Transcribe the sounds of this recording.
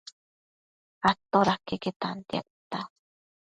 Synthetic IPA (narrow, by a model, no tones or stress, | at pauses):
at̪oɾakeket̪ant̪ja̰ʔ̚t̪a